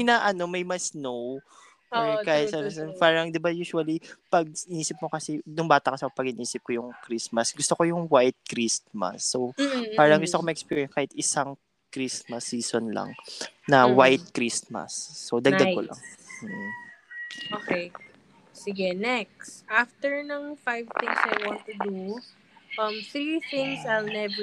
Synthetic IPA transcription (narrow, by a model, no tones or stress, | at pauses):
ɪnaʔɐno̞mɐjmɐsnow | kaːhɪt̪sabpaːɾɐŋd̪ɪbajuːʃwɐlipɐɡ̚ɪniːsɪp̚mokɐsɛnʊŋbaːt̪ɐkɐsɛopɐɡɪnʔiːsɪp̚kojʊŋkɾismɐsɡʊst̪okojʊŋwajt̪̚kɾismɐ̰sːopaːɾɐŋɡʊst̪okomɐʔɛkspiɹiɛnkaːhɪt̪ɪsaŋ | kɾismɐsːiːsonlɐ̰ŋnɐwajt̪̚kɾismɐ̰sːod̪ɐɡ̪ɐɡ̚kolɐ̰ŋ̩ːʔ̩ | ʔoːkej | sɪɡɛnɛksʔaft̪ɛɹnɐŋfajvθɪ̃ŋsajwɔ̃nt̪ud̪u | ʔɐmθɾiθɪ̃ŋsajlnɛv